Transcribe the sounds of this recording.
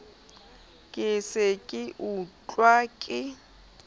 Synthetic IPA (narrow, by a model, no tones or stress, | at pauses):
kʼɪsɪkʼɪʔut͡ɬʼwakʼɪ